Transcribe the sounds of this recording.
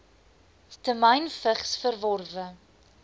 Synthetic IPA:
stəmɐjnfəχsfərvɔrvə

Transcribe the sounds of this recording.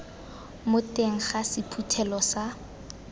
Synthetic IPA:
mʊteŋ̩χasɪpʰutʰɛlɔsa

